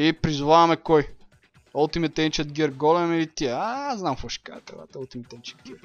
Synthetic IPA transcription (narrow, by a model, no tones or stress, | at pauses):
ipɾizʊvavɐmɛkɔj | ɐlˠt̪imɛt̪ɛnt͡ʃɛt̪̚ɡʲɛɾɡɔlɛmilit̪iɛaznamfəʃka̰t̪ɛ̰va̰t̪əlˠt̪imɛt̪ɛnt͡ʃɛ̥t̪̚ɡʲɛɾ